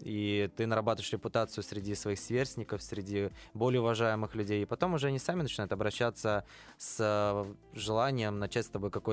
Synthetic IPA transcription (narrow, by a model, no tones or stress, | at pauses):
it̪ɨnəɾɐbat̪əvɪʂɾʲɪpʊt̪at̪sɨjʊsʲɾʲɪdʲisvɐixsʲvʲe̞rsʲtʲnʲɪkəfsʲɾʲɪdʲibo̞lʲɪjʊvɐʐajɪmɨxlʲʉdʲejɪpɐt̪o̞mʊʐɛɐnʲisamʲɪnət͡ɕɪnajʊt̪ɐbɾɐɕːat̪sə | səʐɨlˠanʲɪjəmnɐt͡ɕætʲst̪ɐbo̞jkɐko̞